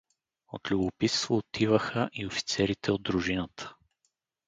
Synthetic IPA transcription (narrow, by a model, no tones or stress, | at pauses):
o̰t̪lʲubʊpist̪voːt̪ʰivəxəʔiofi̥t̪sɛɾit̪ʰɛod̪ɾʊʒinət̪ʰə̥